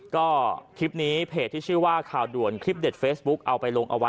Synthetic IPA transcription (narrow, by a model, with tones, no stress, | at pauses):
kɔː˥˩t̪ʰi˦˥p̚niː˦˥pʰeː˨˩t̪ʰːiː˥˩t͡ɕʰɯː˥˩waː˥˩kʰaː˨˩wdu˨˩ənkʰɾi˦˥p̚de˨˩t̪̚feː˦˥sbu˦˥k̚ʔa˧wpa˧jlo˧ŋʔa̰˧wa˦˥